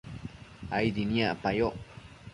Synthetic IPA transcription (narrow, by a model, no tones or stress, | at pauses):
ajd̪injaʔpajoʔ